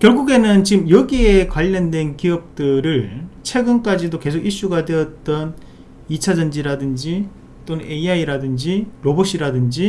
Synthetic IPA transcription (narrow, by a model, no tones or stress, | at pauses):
kjʌɭɡuɡe̞nɯnt͡ɕiɯmjʌɡie̞kwaʎːʌndwe̞nkiʌp̚t͈ɯɾɯɭt͡ɕʰe̞ɡɯnk͈ad͡ʑidoke̞sʰoɡiɕ͈uɡadwe̞ʌt̚t͈ʌn | it͡ɕʰad͡ʑʌnd͡ʑiɾadɯnd͡ʑi | t͈onɯne̞iaiɾadɯnd͡ʑiɾoboɕ͈iɾadɯnd͡ʑi